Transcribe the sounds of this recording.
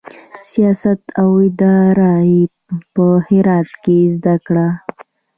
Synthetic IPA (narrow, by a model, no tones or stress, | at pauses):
sijɑsat̪awɪd̪ɑɾae | pəhɪɾɑt̪̚kezd̪akɽa